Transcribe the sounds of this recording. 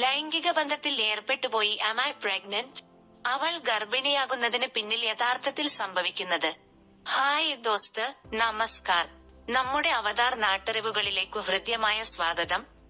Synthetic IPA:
lɐjŋɡiɣɐbɐnd̪ʱɐt̪ːile̞ːrpe̞ʈːupo̞ːjiʔɐmaːjpreːɡnɐn | ɐʋɐɭɡɐrbinɐjaːɣunːɐðinɨpinːiljeðaːrt̪ʰɐt̪ːilsɐmbʱɐʋikʲːunːɐðɨ | haːjd̪oːst̪ɨnɐmɐskaːr | nɐmːuɽe̞ɐʋɐðaːrnaːʈːɨɾeʋuɣɐɭile̞ːkːɨɦrɨd̪jɐmaːjɐsʋaːɡɐðɐm

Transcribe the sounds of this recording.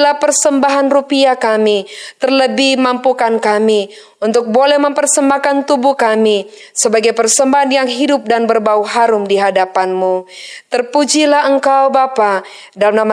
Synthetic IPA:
lahpərsəmbaɦanrupiakamit̪ərləbihmampukankami | unt̪ʊk̚bolɛhməmpərsəmbakant̪ubukami | səbaɡajpərsəmbaɦanjaŋɦidʊp̚danbərbauɦaɾʊmdiɦadapanmut̪ərpud͡ʒilaɦəŋkawbapa | dalmnama

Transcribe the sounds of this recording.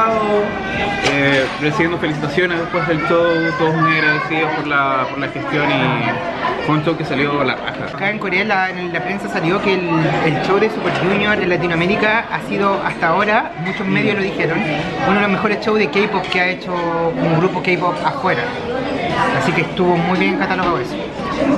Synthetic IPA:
aðo | eresiβjend̪ofelis̬it̪asjoneðepweɦðelt͡ʃowt̪oðomujaɣɾaðesiðopoɾlapoɾlaxest̪joni | fweunt͡ʃowkesaljola̰ka̰xa̰kaeŋko̞ɾealaenlːapɾensasaljo̞kelelt͡ʃowðesupeɾʝunjoɾelat̪̬inoameɾikaasiðoʔast̪aːo̞ɾa | mut͡ʃozmeðjozloðixeɾon | unoðelomexo̞ɾest͡ʃowðekejpopkeaet͡ʃokomoɣɾupokejpopaxweɾa | asikeːst̪uβo̞mujβjeneŋkat̪aloɣaweso

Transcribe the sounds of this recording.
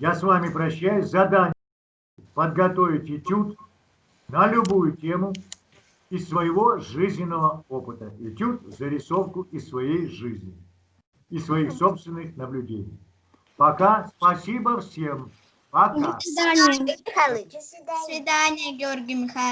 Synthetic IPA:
jasvamʲɪpɾɐɕːæjʊsʲzɐd̪anʲ | pəd̪̚ɡɐt̪ovʲɪtʲɪtʲut̪ | nəlʲʊbujʊtʲe̞mʊ | ɪsvəjɪvo̞ʐɨzʲnʲɪnːəvəo̞pɨt̪əɪtʲut̪zəɾʲɪso̞fkʊɪsvɐjejʐɨzʲnʲɪ̰ | ɪsvɐixso̞pst̪vʲɪnːɨxnəblʲʊdʲḛnʲɪ̰j | pɐkaspɐsʲibəfsʲem | pɐkaa | svʲɪd̪anʲɪjəɡʲɪorɡʲɪmʲɪxa

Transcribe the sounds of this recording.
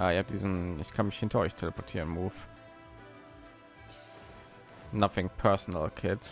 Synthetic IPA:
ʔaːɪhaːp̚d̥iːzn̩ɪçkʰanmɪçhɪntʰɐɔʏçtʰeləpʰɔɐtʰiːʁə̃nmuːf | naθɪ̃ŋpʰɜ˞sɔnə̰lkʰɪt

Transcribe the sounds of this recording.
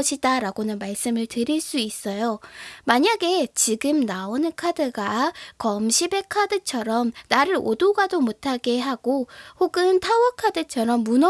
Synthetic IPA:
ɕʰidaɾaɡonɯnmaɭs͈ɯmɯɭtɯɾiɭs͈uis͈ʌjomaɲaɡe̞t͡ɕiɡɯmnaonɯnkʰadɯɡakʌmɕʰibe̞kʰadɯt͡ɕʰʌɾʌmnaɾɯɾo̰doɡadomotʰaɡe̞ɦaɡohoɡɯntʰawʌkʰadɯt͡ɕʰʌɾʌmːunʌ

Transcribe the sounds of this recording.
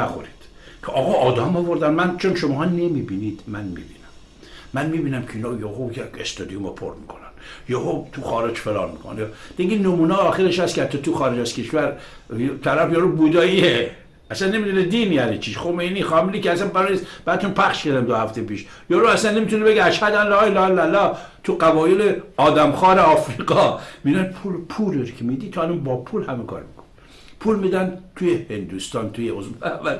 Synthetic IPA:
æxo̰ɾid̪̥ | kʲʰeʔɒːɣɒːʔɒːd̪ɒmɒvoɾd̪ænmænt͡ʃʰonʃomɦɑːnemibinid̪̥mænmḭbiːnæmː | ænmiːbiːnæmkʰeiːnɑːjohojekest̪od̪ijomepʰo̰ɾmikʰonænjohot̪ʰuxɒːɾed͡ʒfelɑ̰ːnmikʰo̰njd̪eɡinomuːneːxeɾeʃhæst̪kʲeæt̪ːɒt̪uxɒːɾed͡ʒæz̥kʰe̞ʃvæɾ | t̪ʰæɾæfjɒɾobud̪ɒːie | æsænːemid̪uned̪iːniːælet͡ʃʰiʃxomejniːxɒːmilikeæsænbæɾɒnisb̥æd̪et̪unpʰæχʃkæɾd̪æmd̪ohæft̪epiːʃ | jɒːɾoæsænːemiːt̪ʰunebe̞ɡeæʃhæd̪ænlɒːelɒːelælːɒt̪ʰuɡævɒːjeleɒːd̪æmxɒːɾeɒːfɾiːɡɒmid̪ænpʰulpʰuɾeɾokʲʰemiːd̪it̪ʰohælonbɒːpʰulhæmekʰɒ̰ɾmikʰo̥ne | pʰuːlmiːd̪ænt̪ʰujehend̪ust̪ɒːnt̪ʰujeozfævæd̪

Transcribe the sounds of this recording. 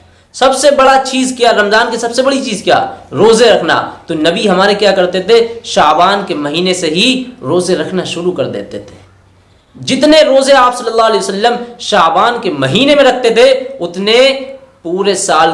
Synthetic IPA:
sɐbsebɐɽat͡ʃiːzkijaɾɐmzaːnkisɐbsebɐɽit͡ʃiːzkija̰ːɾoːzeɾɐkʰna̰ːt̪onɐbiɦɐmaːɾekjaːkɐɾt̪et̪ʰeʃaːbaːnkemɐɦiːneseɦiɾoːzeɾɐkʰnaʃʊɾukɐɾd̪ḛːt̪et̪ʰe̥ | d͡ʒɪt̪neɾoːzeaːpsɐlːəlːaːɦɐleːəsəlːəmʃaːbaːnkemɐɦiːnemẽɾɐk̚ʰt̪et̪ʰeʊt̪ne | puːɾesaːl

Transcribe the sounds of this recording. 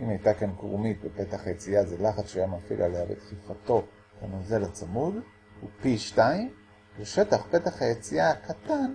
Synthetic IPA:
ʔimhajtakankʁṵmit̪̚bepe̞t̪aχajet͡siazelaχat͡sʃajamafḭlʔaleavḛt̪χifat̪o̞ | lanozelat͡samul | upiʃtaim | beʃetaχpe̞taχhajet͡siakat̪an

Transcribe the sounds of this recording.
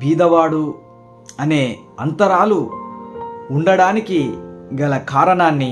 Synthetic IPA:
bʱiːd̪ɐʋaːɽu | ɐne̞ː | ɐnt̪ɐɾaːlu | uɳɖɐɽaːnikiɡɐlɐkaːɾɐɳaːnːi

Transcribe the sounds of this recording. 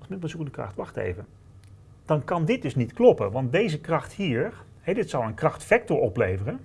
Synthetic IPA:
smɪntməzukədəkrɑ̰χtʋɑχtḛjvə | d̥ɑnkɑndɪt̚dɵsnitklɔpənʋɑntdejzəkrɑχthiːɹɹ | hɛdɪtsɑlˠənkrɑχtfɛk̚tɔɹɔplejvərən

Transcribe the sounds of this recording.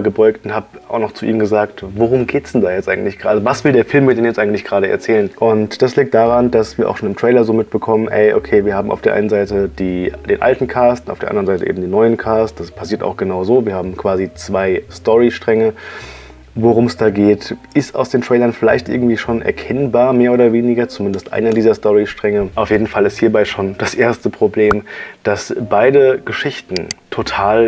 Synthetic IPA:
ɡəbɔʏktʊnthaːbʔaʊxnɔχt͡suʔḭːmɡəzaːk̚tvoʁʊmɡeːtsd̥ɛndaːjɛt͡stʔaɪɡŋ̩tlɪçɡ̥əʁaːazəvasv̥ɪldeːɐfɪlmiːɐdeːnjɛt͡sʔaɪŋ̩tlɪçɡ̥ʁaːɾəɛɐt͡sɛːlənʔʊntd̥asliːk̚td̥aːʁandasv̥iːɐʔa̰ʃoːnɪmtʁ̥ɛːlɐzoːmɪt̚b̥əkʰɔmənʔɛ̰ɪʔokʰeːviːɐhaːbm̩a̰ʊfeɐʔa̰ɪnənzaɪtəd̥iːd̥eːnʔa̰ltn̩kʰaːstnʔaʊfd̥eːɐʔa̰ndʁənzaɪtəʔḛːm̩diːnɔʏənkʰaːst̚d̥aspʰasiːɐta̰ʊxɡ̥ənaʊzoːviːɐhaːbm̩kv̥aːzit͡sv̥aɪstɔʁiʃtʁ̥ɛŋə | voʁʊmsd̥aːɡeːtʔɪsta̰ʊsd̥eːntʁ̥ɛːlɐnfɪla̰ɪçtʔɪ̰ɐɡŋ̩tv̥iːʃoːnʔɛ̰ɐkʰɛnbaːɐmeːɐoːdɐveːnɪɡɐt͡sumɪndəstʔa̰ɪnɐdiːzɐstɔʁiʃtʁ̥ɛŋəʔaʊfjeːdn̩falɪsthiːɐbaɪʃoːnd̥asʔeːɐstəpʁ̥obleːmd̥asb̥aɪdəɡ̥əʃɪçtn̩tʰotʰaːl

